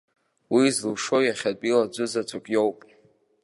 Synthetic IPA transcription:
wizlʂojaχʲadʼilad͡ʒʷɨzat͡sʷʰʼakʲʼjowpʼ

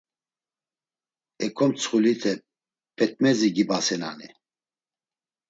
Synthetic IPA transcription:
ɛkʰɔmt͡sʰχulit̪ʰɛ | pʰɛt̪̚mɛziɡibasɛna̰ni

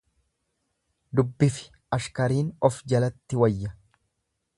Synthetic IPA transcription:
d̪ʊbːɪfɪ̥ | ɐʃkɐɾiːnɔfd͡ʒɐlɐt̪ːɪwɐjːɐ

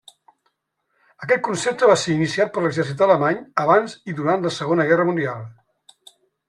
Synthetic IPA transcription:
əkɛt̪̚kunsep̚t̪əβaseɾinisiat̪̚pəɾləɡzɛrsit̪d̪ələmaɲəβanziðuɾant̪ləsəɣonəɣɛrəmund̪ialˠ

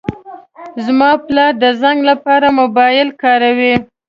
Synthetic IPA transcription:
zmɑplɑɾd̪əzaŋɡlapɑɾamʊbɑjɪlkɑɾawi

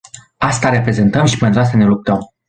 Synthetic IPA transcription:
ast̪aɾe̞pɾe̞ze̞nt̪əmʃi̥pe̞nt̪ɾuast̪ane̞lup̚t̪əm

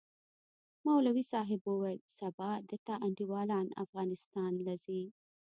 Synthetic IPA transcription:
mawlawisɑɦɪbowelsabɑd̪ət̪ɑʔaɳɖiwɑlɑna̰fɣɑnɪst̪ɑnlazi

